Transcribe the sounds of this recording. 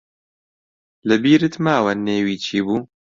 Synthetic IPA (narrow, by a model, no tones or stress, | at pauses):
lɨbiːɾɨt̪maːwɐnːeːwiːt͡ʃʰiːbuː